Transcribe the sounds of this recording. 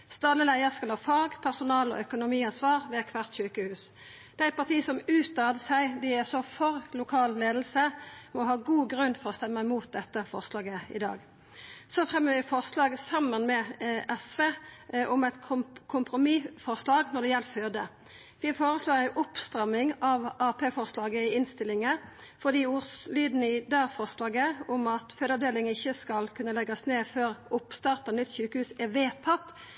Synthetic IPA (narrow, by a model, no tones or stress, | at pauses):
st̪ɑlːəlæɪəskɑlɑʋfɑʁɡpʰæʁsʊnɑːlɔ̰œkʊnʊmiːɑnsʋɑːʁʋɛk̪ʰʋæʁt̪ɕyːkəhʉːs | d̪̥ɛːæɪt̪̚pʰɑʁt̪ʰiːsɔmʉːt̪ɑːd̪əsæɪd̪ɪæsɔfɔɾlʊkʰɑːlleːd̪l̩səmɔɦɑːɡuːɡɾʉnːfɔʁɔst̪ɛmːæɪmuːt̪̚d̪ɛt̪ːəfɔ̰ʁslɑːɡəɪ̰d̪ɑ̰ːɡ | sɔfʁɛmːəʋɪfɔʁslɑːɡsɑmːənmɛʔɛsʋeːʔʊmɛɪt̪kʰʊkʰʊmpʁʊmifɔʁslɑːɡnɔd̪ɛjɛlføːd̪ə | ʋɪfoːʁəsloːɾɪʔʊpst̪ɾɑmːɪŋɑʋɑːpʰeːfɔʁslɑːɡəɪɪnst̪ɪlɪŋə | fɔd̪iːʊslyːd̪n̩ɪd̪æːɾfɔʁslɑːɡəʊmɑt̪føːd̪əɑʋd̪eːlɪŋɪçːəskɑlkʰʉnːəlɛɡɑsneːføːɾʊpst̪ɑːʁt̪ɑnʏt̪ːçʉːkəhʉːsæʋeːt̪ʰɑt̪ː